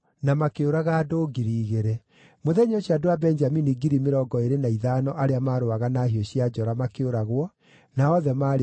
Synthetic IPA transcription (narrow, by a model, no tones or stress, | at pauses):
namakeoɾaɣaːdoːɡiɾiːɣeɾɛ | moðɛɲɔɕiadowabɛɲd͡ʒaminiɡiɾimeɾɔɡɔeɾenaiðaːnɔʔaɾeamaːɾoaɣanaːɦiɔɕiad͡ʒɔɾamakeoɾaɣwɔ | naɔðɛmaɾ